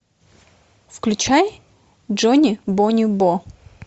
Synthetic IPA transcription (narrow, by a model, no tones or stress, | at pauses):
fklʲʉt͡ɕaj | ʐonʲɪbonʲʊbo